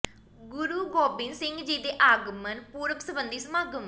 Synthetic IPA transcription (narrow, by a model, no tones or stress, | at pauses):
ɡʊɾuːɡoːbɪnsɪŋɡd͡ʒeːd̪eːʔaːɡmənpuːɾəksəbənd̪iːsəmaːɡm